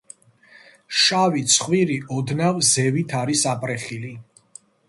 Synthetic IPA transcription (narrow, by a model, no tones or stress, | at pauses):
ʃavit̪sʰχwiɾiɔd̪navzɛvit̪ʰaɾisapʼɾɛχili